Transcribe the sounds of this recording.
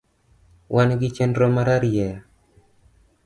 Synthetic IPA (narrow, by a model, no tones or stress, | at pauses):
wʔanɡɪt͡ʃɛndɾomaɾaɾjɛ